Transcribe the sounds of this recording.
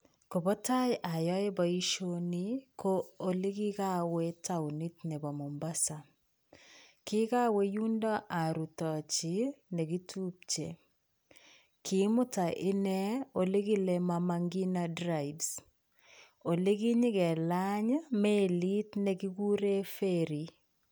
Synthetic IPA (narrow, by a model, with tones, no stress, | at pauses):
ko˨bɔ˦ta˦jʔa˨jɔ˦e˦ba˨i˦ʃonikʰo˦o˦li˦ki˦ka˦we˦tawni˦tnɛ˨ba˨mo˨mba˦sa˨ | kɪ˦ka˦we˦ju˦ndɔ˦ʔa˨ɾu˨tɔ˨t͡ʃi˦nɛ˨ɡi˦tʰu˦p̚t͡ʃe˨ | kɪ˨˦mʊ˦ta˨ʔɪ˦nɛ˦o˨le˦ɡi˦le˦ma˨maŋɡi˦nadɾa˨ibs | o˨le˦ɡi˦ɲɪ˦kɛ˨la˦ɲme˦li˦tnɛ˨ɡi˦ɡu˦ɾe˦fe˦ɾi˨